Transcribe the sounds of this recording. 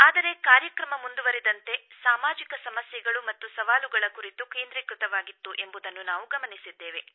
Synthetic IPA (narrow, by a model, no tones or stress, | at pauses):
aːd̪ɐɾe̞kaːɾjɐkɾɐmɐmund̪uʋɐɾɛd̪ɐnt̪e̞saːmaːd͡ʒikɐsɐmɐsjɛɡɐɭumɐt̪ːusɐʋaːluɡɐɭɐkuɾit̪ukeːnd̪ɾiːkɾut̪ɐʋaːɡit̪ːuʔe̞mbud̪ɐnːunaːʋuɡɐmɐnisid̪ːeːʋe̞